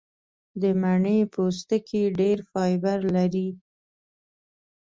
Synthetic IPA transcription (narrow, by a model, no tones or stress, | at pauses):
d̪əmaɳəjpos̬t̪əkʰeɖeɾfɑjbaɾlaɾi